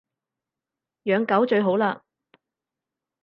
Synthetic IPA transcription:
jœː˨˧ŋkɐ˨˥wt͡ʃɵ˧ɥɦo˨˥wlaː˧

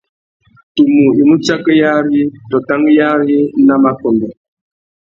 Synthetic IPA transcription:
tu˨mu˨i˨mu˦t͡ʃa˦kə˦ja˦ɾi˦tɔ˨ta˦ŋ˦ja˦ɾi˦na˦ma˨kɔ˨ŋɛ˨

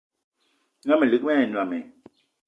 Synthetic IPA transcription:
ŋa˦mɛ˨li˨k̚mɛ˦˨nwa˨mɛ˨

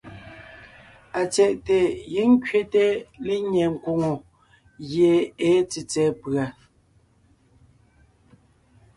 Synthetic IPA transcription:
a˨t͡sɛ˨ʔte˨ji˨˦ŋ̩˦kɥe˦te˦le˦ɲɛ˨ŋ̩˨kwo˨ŋo˨ | ɣje˨e˨˦t͡si˨t͡sɛː˨˦pɰa˨

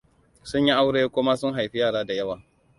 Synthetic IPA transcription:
sʊ˦ɲ˦ji˦ʔa˦wɽeː˦kʷʊ˦ma˦sʊ˦ŋɦa˨jɸi˦jaː˦˨ɽaː˦da˨jɐ˦waː˨

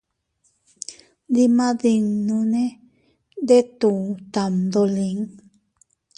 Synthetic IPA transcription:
d̪i˧mã˦ði˧ŋnũ˧nẽ˦ | d̪e˦t̪u˨t̪a˨md̪o˧li˨˦ŋ

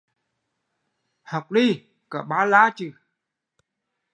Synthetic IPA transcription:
ha˨˩wk͡p̚ɗi˧˩ | kə˧˨˩ɓaː˨˦laː˧˦t͡ɕɨ˧˩˨

